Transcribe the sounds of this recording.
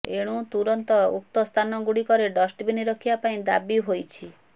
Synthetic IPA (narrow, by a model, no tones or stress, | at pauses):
eɽ̃ũt̪uɾɔnt̪ɔṵk̚t̪ɔst̪ʰanɔɡuɽikɔɾeɖɔsʈbiniɾɔkʰibapaĩd̪a̰biɦojt͡ʃʰi